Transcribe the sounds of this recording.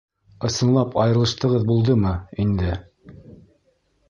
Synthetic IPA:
ɤ̆sɤ̆nlˠɑpʰɑjɤ̆ɾɤ̆lˠɤ̆ʃt̪ɤ̆ʁɤðbulˠd̪ɤmɤind̪ɘ

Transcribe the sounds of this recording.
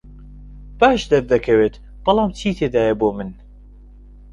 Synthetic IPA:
b̥aːʃd̪ɐɾd̪ɐkʰɐweːt̪ | b̥ɑlˠɑːmt͡ʃʰiːt̪ʰeːd̪aːjɐboːmɨn

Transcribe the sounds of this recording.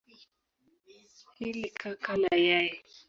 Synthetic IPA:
hilikʰakalajai

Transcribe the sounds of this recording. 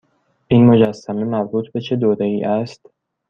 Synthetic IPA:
ʔiːnmod͡ʒæsːæme̞mæɾbuːt̪ʰbe̞t͡ʃʰe̞d̪oːɾeiːʔæst̪

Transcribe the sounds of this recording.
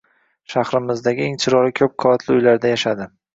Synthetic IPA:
ʃaχɾɪmɪzd̪aɡʲɪeŋt͡ʃʰɪɾɒɾɪkʲʰɵp̚qʰɒat̪ʰlɪʊjlaɾd̪ajaʃad̪ɪ

